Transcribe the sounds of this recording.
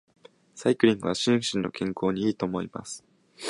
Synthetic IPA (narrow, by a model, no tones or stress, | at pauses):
saikɯ̟ɾʲĩŋɡɯ̟βaɕĩɰ̃ɕĩnːo̞̰kʰẽ̞ŋkʰo̞ːɲ̟iiːt̪o̞ːmo̞ima̰sɨ̥